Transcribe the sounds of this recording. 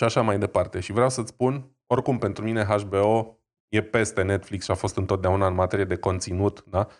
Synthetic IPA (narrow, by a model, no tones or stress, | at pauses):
ʃiaʃamajd̪e̞part̪e̞ʃivɾeawsət̪spun | o̞rkumpe̞nt̪ɾumine̞ɦaʃbe̞o̞ | je̞pe̞st̪e̞ne̞t̪fliksʃiafo̞st̪ɨnt̪ot̪d̪eaunaɨnmat̪e̞ɾijed̪e̞ko̞nt̪sinut̪d̪a